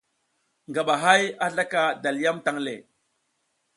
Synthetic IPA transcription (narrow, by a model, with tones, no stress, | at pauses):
ŋɡa˨ɓa˨ɦa˦ja˦ɮa˦ka˨da˨lja˦mta˦ŋlḛ˨